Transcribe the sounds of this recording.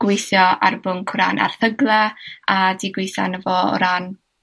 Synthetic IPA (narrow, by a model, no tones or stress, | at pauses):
ɡ̥wɪjθjɔa̰rbʊnkʰwɾa̰nʔa̰rθəɡlˠɛadiɡwɪjθa̰nəvɔ̰ɾan